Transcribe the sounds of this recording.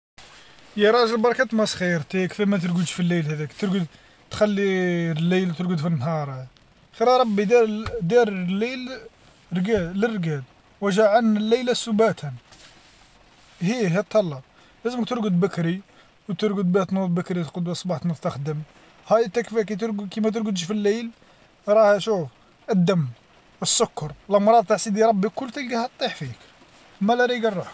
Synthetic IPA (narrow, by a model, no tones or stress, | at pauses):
jiɾˤɑʒəlbɑɾˤɑkæt̪mæsˤxəjːəɾˤt̪ikfæmæt̪̬əɾɡəd̪filːəjlhæd̪ækt̪əɾɡəd̪ | t̪xælːilːəjlt̪əɾɡəd̪finːɦɑɾˤ | xiɾɑɾˤɑbːid̪d̪iɾlːil | ɡælərːɡæd̪ | wæʒaʕanəlːəjlæsubæt̪ʰæn | hiɦit̪ʰːɑlːɑ | læzəmək̚t̪əɾɡəd̪bəkɾi | wt̪əɾɡəd̪̚biht̪nut̪̚ˤbəkɾit̪qəd̪wæsˤbɑħt̪mʊst̪əxd̪əm | hæjət̪ːækfik̬æjt̪̬əɾɡkimæt̪̬əɾɡəd̪ʃfilːəjl | ɾˤɑhæʃuf | əd̪ːəm | wəsːʊkːɑɾˤlmɾˤɑd̪̚ˤt̪aħsid̪iɾˤɑbːikːʊlːt̪əlɡæhæt̪t̪ˤːiħfik | mælæɾiɡɑrˤːəħ